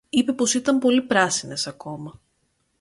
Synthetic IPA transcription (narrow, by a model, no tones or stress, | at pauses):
ipe̞po̞sit̪ɐmpo̞lipɾɐsine̞sɐko̞mɐ